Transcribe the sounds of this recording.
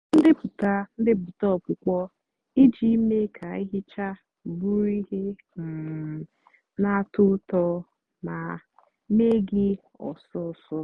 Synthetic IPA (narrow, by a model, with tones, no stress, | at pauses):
n̩˦dɪ˦pʊ˨ta˦n̩˦dɪ˦bʊ˨tɔ˦˨kʷʊ˨kʷɔ˦ | i˦d͡ʒi˦me˦kʰa˨i˦ɦɪ˦t͡ʃa˦˨ | bu˦ɾi˦ɦe˦ | m̩˨ | na˦tʊ˦tɔ˦ | na˨ | me˦ɡɪ˦ | ɔ̰˨sɔ˦˨sɔ˦